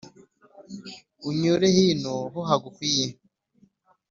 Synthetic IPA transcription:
uɲoɾehinoɦoɦaɡukwiːje

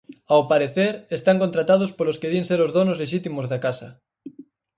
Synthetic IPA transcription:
awpaɾeθeɾest̪aŋkont̪ɾat̪að̞ospolʊskeðienseɾozðonozleʃit̪imozðakasɐ

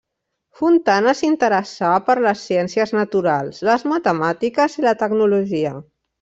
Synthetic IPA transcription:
funt̪anəsint̪əɾəsapəɾləsːiɛnsiəznət̪uɾalˠsləzmət̪əmat̪ikəzilət̪əɡnuluʒiə

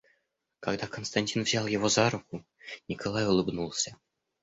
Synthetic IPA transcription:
kɑɡd̪ɑkonst̪anʲtʲinvzʲɑlˠjevozɑɾuku | nʲikolˠɑjulˠɨbnulˠsʲa

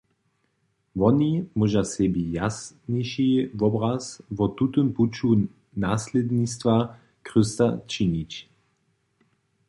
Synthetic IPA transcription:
vɔnimuʒasɛbijasnɛʃivɔbɾasvɔt̪ut̪əmput͡ʃu | naːslʲɛd̪nist̪va | kʁəst̪at͡ʃinit͡ɕ

